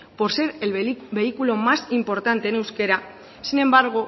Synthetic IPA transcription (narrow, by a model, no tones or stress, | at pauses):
po̞ɾse̞ɾelbe̞ikulo̞masimpo̞ɾt̪ant̪eːne̞wske̞ɾa | sine̞mbaɾɣo